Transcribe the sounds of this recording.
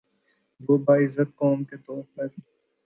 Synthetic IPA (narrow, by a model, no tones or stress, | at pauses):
ʋoːbaːɪzət̪̚kɔːmket̪ɔːɾpɐɾ